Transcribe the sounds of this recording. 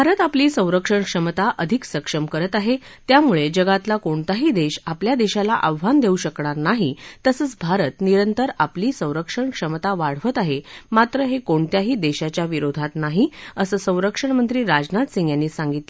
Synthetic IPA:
bbʱaɾət̪apliːsə̃w̃ɾəkʂəɳkʂəmt̪aʔəd̪ʱiksəkʂəmkəɾət̪aɦet̪jamuɭed͡ʑəɡat̪lakoɳt̪aɦiːd̪eɕapljad̪eɕalaʔaʋʋand̪euɕəkɳaɾnaɦit̪əsəːt͡sbʱaɾət̪niɾənt̪əɾapliːsə̃w̃ɾəkʂəɳkʂəmt̪aʋaɽ̤ʋət̪aɦemat̪ɾəɦekoɳt̪jaɦiːd̪eɕat͡ɕjaʋiɾod̪ʱat̪naɦiəsəːsə̃w̃ɾəkʂəɳmənt̪ɾiːɾad͡ʑnat̪siŋɡjanːiːsaŋɡit̪lə

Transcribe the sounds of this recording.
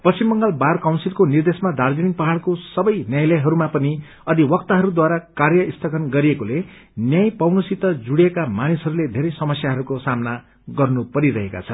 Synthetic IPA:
pʌst͡simːʌŋɡʌlbarkawnsilkonird̪esmad̪ʱard͡ziniŋpʌɦaɽkosʌbʌjnjajlʌjɦʌɾumapʌni | ʌd̪iwʌkt̪aɦʌɾud̪waɾakarjʌist̪ʰʌkʰʌnɡʌɾiekole | njajpʌwnʌsit̪ʌd͡zuɽjekamanisʌɾuled̪ʱeɾʌjsʌmʌsjaɦʌɾukosamna | ɡʌrnupʌɾiɾʌɦeka̰t͡sʰʌn

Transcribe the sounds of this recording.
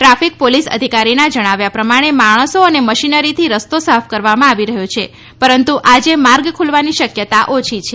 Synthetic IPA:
ʈɾafik̚polisə̰d̪ʱikaɾinad͡ʒəɽ̃aʋjapɾəmaɽ̃emaɭ̃əsoəneməʃinəɾit̪ʰiɾəst̪osafʰkəɾʋamãaʋiɾəɦjot͡ʃʰe | pəɾənt̪uʔad͡ʒemaɾɡkʰulʋaniʃəkjət̪aʔot͡ʃʰit͡ʃʰe

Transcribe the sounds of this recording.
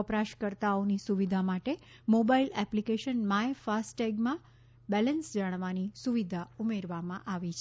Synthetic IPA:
əpɾaʃkəɾt̪aonisuʋid̪ʱamaʈe | mobailɛplikeʃənmãefasʈɛɡmã | bɛlənsd͡ʒaɽ̃ʋanisuʋid̪ʱaumeɾʋamãʔaʋit͡ʃʰe

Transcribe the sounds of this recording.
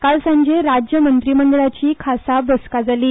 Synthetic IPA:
kalsə̃ɲd͡ʑeɾad͡ʑjəmənt̪ɾiməɳɖəɭat͡ɕiːkʰasabəskad͡zaliː

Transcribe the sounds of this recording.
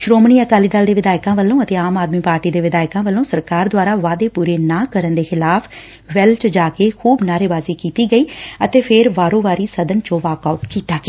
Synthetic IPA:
ʃɾoːmniːəkaːliːd̪ald̪eːʋɪd̪aːɪkãːʋəlːõːət̪eːaːmaːd̪miːpaːɾʈiːd̪eːʋɪd̪aːɪkãːʋəlːõːsəɾkaːɾd̪ʊaːɾaːʋaːd̪eːpuːɾeːnãːkəɾənd̪eːxʰɪlaːpʰ | ʋɛlt͡ʃd͡ʒaːkeːkʰuːbnaːɾeːʋaːziːkiːt̪iːɡəiːət̪eːpʰɪɾʋaːɾõːʋaːɾiːsəd̪ənt͡ʃõːʋaːkaʊʈkiːt̪aːɡeː

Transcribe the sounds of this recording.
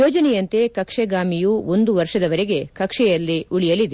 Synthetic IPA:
joːd͡ʒɐnɛjɐnt̪e̞kɐkʂeɡaːmijuo̞nd̪uʋɐɾʂɐd̪ɐʋɐɾeɡe̞kɐkʂɛjɐlːiuɭijɐlid̪e

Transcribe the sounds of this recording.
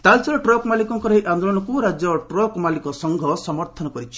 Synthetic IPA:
t̪alsɔɾɔʈɾɔkmalikɔŋkɔɾɔɦiʔand̪olɔñɔkuɾad͡ʒjɔʈɾɔkmalikɔsɔŋɡʱɔsɔmɔɾt̪ʰɔnɔkɔɾit͡ʃʰi̥

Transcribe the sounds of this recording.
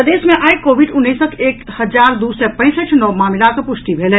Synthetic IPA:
əd̪eːsmẽʔaikobʱiɖʊnːisəkeːkhəd͡ʒaːɾd̪usɛpə̃ɪ̃səʈʰnɔmaːmilakəpʊst̪ibʱelɛ

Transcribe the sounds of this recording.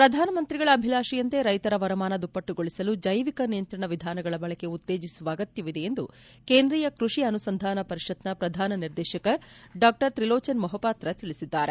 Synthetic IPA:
pɾɐd̪ʱaːnɐmɐnt̪ɾiɡɐɭɐːbʱilaːʃijɐnt̪e̞ɾɐjt̪ɐɾɐʋɐɾɐmaːnɐd̪upːɐʈːuɡoɭisɐlud͡ʒɐjʋikɐnijɐnt̪ɾɐɳɐʋid̪ʱaːnɐɡɐɭɐbɐɭɛke̞ut̪ːeːd͡ʒisuʋɐːɡɐt̪jɐʋid̪e̞end̪u | keːnd̪ɾiːjɐkɾuʂiɐnusɐnd̪ʱaːnɐpɐɾiʃɐt̪nɐpɾɐd̪ʱaːnɐniɾd̪ɛːʃɐkɐɖaːk̚ʈɐɾt̪ɾiloːt͡ʃɐnmɐɦɐpaːt̪ɾɐt̪iɭisid̪ːaːɾe

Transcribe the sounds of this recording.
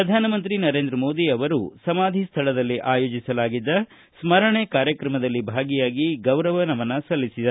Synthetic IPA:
ɾɐd̪ʱaːnɐmɐnt̪ɾinɐɾe̞ːnd̪ɾɐmoːd̪iɐʋɐɾṵsɐmaːd̪ʱist̪ʰɐlɐd̪ɐlːiʔaːjo̞ːd͡ʒisɐlaːɡid̪ːɐ | smɐɾɐɳekaːɾjɐkɾɐmɐd̪ɐlːibʱaːɡijaːɡiɡɐwɾɐʋɐnɐmɐnːɐsɐlːisid̪ɐɾ

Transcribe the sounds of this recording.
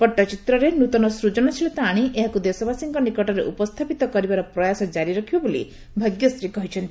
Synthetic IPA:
pɔʈːɔt͡ʃit̪ɾɔɾenut̪ɔnɔsɾud͡ʒɔnɔt͡ʃʰilet̪aːɽ̃iʔeɦakud̪esɔbasiŋkɔnikɔʈɔɾeʔupɔst̪ʰapit̪ɔkɔɾibaɾɔpɾɔjasɔd͡ʒaɾiɾɔkʰibɔbolḭ | bʱaɡjɔst̪ɾikɔɦit͡ʃʰɔnt̪i

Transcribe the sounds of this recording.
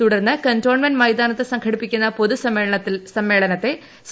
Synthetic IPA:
t̪uɽɐrnːɨkɐnto̞ːɳmɐnmɐjd̪aːnɐt̪ːɨsɐŋkʰɐɽipːikʲːunːɐpo̞ðusɐsɐmːe̞ːɭɐnɐt̪ːe̞ | s

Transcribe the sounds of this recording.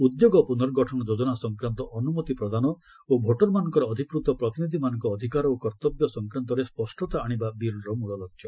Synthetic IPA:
ud̪joɡɔpunɔɾɡɔʈʰɔñɔd͡ʒod͡ʒɔnasɔŋkɾant̪ɔʔɔnumɔt̪ipɾɔd̪anɔ | obʱoʈɔɾmanɔŋkɔɾɔːd̪ʱikɾut̪ɔpɾɔt̪inid̪ʱimanɔŋkɔːd̪ʱikaɾɔokɔɾt̪ɔbjɔsɔŋkɾant̪ɔɾespɔsʈʰɔt̪aːɽ̃ibabiɾɾɔmuɭɔlɔkʰːjɔ

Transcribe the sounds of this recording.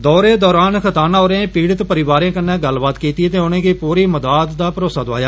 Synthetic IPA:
d̪ɔːɾeːd̪ɔːɾaːnkʰət̪aːnãːɦoːɾeẽːpiːɽət̪pəɾɪʋaːɾẽːkənːɛ̃ːɡəlbaːt̪kiːt̪iːt̪eːonẽːkiːpuːɾiːməd̪aːt̪d̪aːpəɾoːsaːd̪oaːjaː

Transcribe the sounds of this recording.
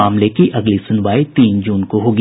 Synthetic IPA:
aːmlekiʔɐɡlisʊnʋaːit̪iːnd͡ʒuːnkoɦoːɡi

